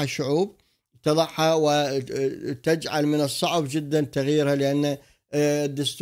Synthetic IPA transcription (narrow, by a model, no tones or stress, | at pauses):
aʃːʊʕuːb̚ | t̪ɑðˤɑħhawɪ | t̪ad͡ʒʕalmɪnɨsˤːɑʕbd͡ʒɪd̪ːant̪aɣjiːɾhalɪʔanːa | d̪ːʊst̪